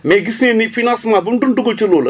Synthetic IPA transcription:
meɡisĩnifinãsmabundunduɡot͡ʃilolə

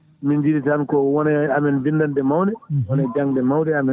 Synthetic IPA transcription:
mind͡ʒiɾitankɔwɔnɛamɛnvindandɛmawdɛwɔnad͡ʒaŋdɛmawdɛamɛ

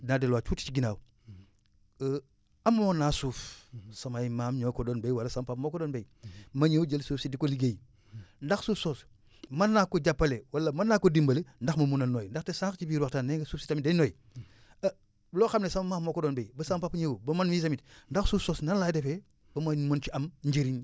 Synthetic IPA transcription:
nadelwaːt͡ʃuːti̥t͡ʃiɡinaːw | ammonasuːfsɐmajimaːmɲokodonbejwalɐsampapmokodonbej | mɐɲewd͡ʒelsuːfsidikoliɡej | ndaxsuːfsoːs | mɐnːakːoɟapːɐlewalɐmɐnːakːodimbɐlendaxmɐmunɐnoːjndaxtesakt͡ʃibiɾwaktanːeŋɡesuːfsi̥tamidenoːj | bloxamnesɐmɐmaːmːokodoːnbejbɐsampapɲewubɐmanmis̬amitndɐxsuːfsoːsnanlajdefe | b̥ɐmamont͡ʃiɐmɲɟiɾin

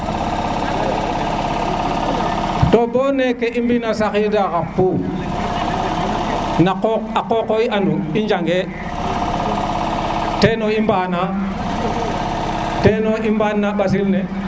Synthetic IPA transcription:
tobonekeʔimbinasakidakapuː | naoakokoiʔanuind͡ʒaŋɡe | tenoimbana | tenoʔimbanːaɓas̬ilne

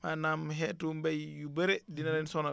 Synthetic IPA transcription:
manamɦɛtumbɛjjubɛɾɛdinaɾɛnsɔna

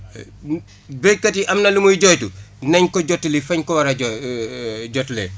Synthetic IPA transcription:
bekːatiʔɐmnɐlimujɟɔjtunɐɲkɔɟɔtːilifɐɲkɔwɐɾɐ | ɟɔtle

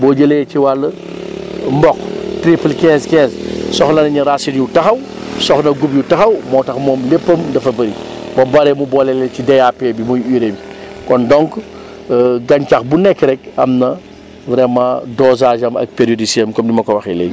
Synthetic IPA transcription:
bɔːɟɐleciwalːɐ | mbɔktɾiplkɛ̃ːzkɛ̃ːzsɔxlɐnɐɲɐɾasinjutɐxɐw | sɔxnɐɡupjutɐxɐwmɔːtɐxmɔːmlepːɐmdɐfɐbɐɾibɐbɐɾɛmubɔlɛlɛcidejapebimujiɾebikɔndɔŋk | ɡɐɲcɐxbunɛkːɾɛk̚ɐ̰mnɐ | vɾɛmadɔzaːʒɐmɐ̰k̚peɾijodisiemkɔmdimɐkɔwɐxɛlḛj

